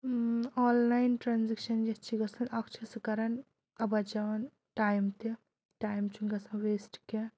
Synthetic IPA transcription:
ɔːnlajnʈɾaːnzikʃɐnd͡ʒɐt͡ʃʰiɡɐsɐnɐkt͡ʃʰɐskɐɾɐn | ɐbɐd͡ʒɐʋɐn | ʈaːjmt̪e | ʈaːjmt͡ʃʰuŋɡɐsɐ̃ʋesʈke

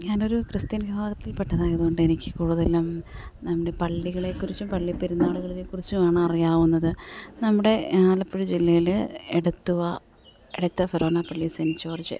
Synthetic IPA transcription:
ɲaːno̞ɾukrɨst̪inɐɡbʱaːɣɐt̪ːilpeʈːɐðaːɣeðuɣo̞ɳɖɨenikʲːɨkuːɻuðelːaːmnɐmːuɽe̞pɐɭːiɣɐɭekːurit͡ɕːumpɐɭːipːeɾunːaːɭuɣɐɭilekːurit͡ɕːumaːɳɨɐrijaːʋunːɐðɨnɐmːuɽe̞aːlɐpːiɻud͡ʑilːɐjileɽɐt̪ːuɣɐ | eɽɐt̪ːɐfɐɾo̞ːnapɐɭːisɐnit͡ɕːuɐrɐt͡ɕːɨ̰

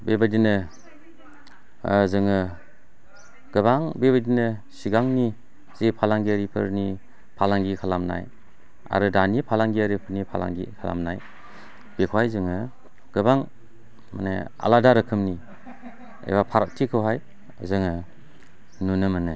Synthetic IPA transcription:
bebadinɯ | zɯŋɯ | ɡ̥ɯbaŋbebadinɯsiɡaŋni | z̥epʰalaŋɡiaɾipʰɯ̰ɾni | pʰalaŋɡikʰalamna̰j | a̰ɾɯdanipʰalaŋɡiaɾipʰɯɾnipʰala̰ŋɡḭkʰala̰mna̰j | b̥ekʰwajzɯŋɯ | ɡ̥ɯbaŋ | mane | a̰ladaɾɯkʰɯmni | ḛbapʰaɾak̚tʰikʰɯwɦaj | zɯŋɯ | nunɯmɯnɯ

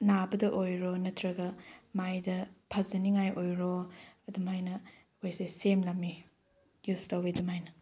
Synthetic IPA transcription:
nabɐdɐʔojɾonɐtʰɾɐɡɐmajdɐpʰɐzɐniŋajʔojɾoɐdumhajnɐ | ojsesemlɐmi | justɐwbidumajnɐ

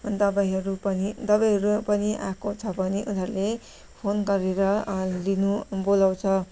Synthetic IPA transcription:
d̪ʌbajɦʌɾupʌnid̪ʌbajɦʌɾupʌniʔa̰kot͡sʰʌbʌniʔunɦʌɾule | pʰonɡʌɾeɾʌlinubolaw̃t͡sʰʌ

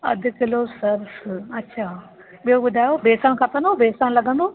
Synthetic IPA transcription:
ɐ̰d̪ʱʊkɪlosɐɾsɐtːɕʰaː | ɓijɦoɓʊd̪ʱaːjobeːsəñ̆kʰɐt̪ə̃nd̪obeːsə̃ñlɐɡə̃nd̪o

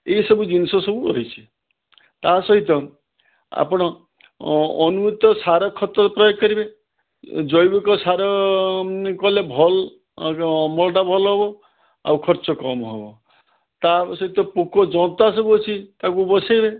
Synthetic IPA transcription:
eisɔbud͡ʒinsɔsɔbuɾɔɦit͡ʃʰi̥ | t̪asɔɦit̪ɔ | a̰pɔɽ̃ɔː | numut̪ːɔsaɾɔkʰːɔt̪ːɔpɾɔjɔɡkːɔɾibe | d͡ʒɔjbɔkɔsaɾɔ | kɔlebʱɔl | mɔlɔʈabʱɔlɔɦɔbɔ | a̰wkʰɔɾt͡ʃɔkɔmɔɦobɔ | t̪asɔɦit̪ɔpukɔd͡ʒɔɔt̪asɔbuɦɔt͡ʃʰit̪akubɔsajbe

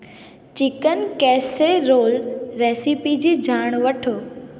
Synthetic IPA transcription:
t͡ɕɪkənɪ̆kɛːseɾoːlɾeːsipid͡ʑiːd͡ʑʱaːɽ̃ʋɐʈʰoː

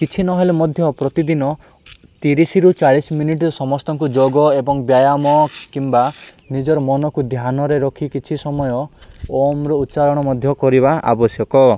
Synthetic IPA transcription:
kit͡ʃʰinɔɦelemɔd̪ʱjɔpɾɔt̪id̪inɔ | t̪iɾisiɾut͡ʃaɭisminiʈɾɔsɔmɔst̪ɔŋkud͡ʒoɡɔebɔŋbjajamɔkimba | nid͡ʒɔɾɔmɔnɔkud̪ʱjanɔɾeɾɔkʰikit͡ʃʰisɔmɔjɔomɾɔut̪ːt͡ʃalɔɽ̃ɔmɔd̪ʱjɔkɔɾibaʔa̰bɔsjɔkɔ

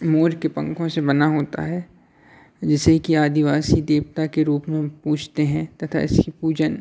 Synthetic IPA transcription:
moːɾkepɐ̰̃ŋkʰõsebɐnaɦoːt̪a̰ɦɛː | d͡ʒɪsekiaːd̪ɪʋaːsid̪eːpt̪akeɾuːpmẽpuːt͡ʃʰt̪eɦɛ̃t̪ɐt̪ʰa̰ɪskipuːd͡ʒən

